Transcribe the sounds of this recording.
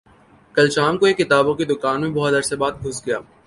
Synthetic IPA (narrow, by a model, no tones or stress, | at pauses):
kɐlʃaːmkoeːkːɪt̪aːbõked̪ʊkaːnmẽbɔɦt̪ɐɾsebaːt̪̚bʱʊsɡɐjaː